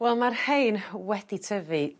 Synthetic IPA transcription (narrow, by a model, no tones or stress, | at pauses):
wɛlˠmarhejnwɛd̥itʰəvɨ